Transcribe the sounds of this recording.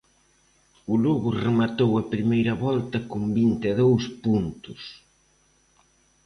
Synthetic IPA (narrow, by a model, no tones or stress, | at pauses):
ʊloɣʊremat̪owɐpɾimejɾɐβɔlt̪ɐkʊmbint̪ɪðowspunt̪ʊs